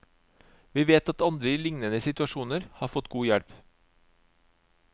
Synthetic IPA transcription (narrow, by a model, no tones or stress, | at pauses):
ʋiːʋeːt̪ɑt̪ɑnd̪ɾəiːlɪŋnənəsɪt̪ʉɑʃuːnəɾhɑːfɔt̪ɡuːjæɽp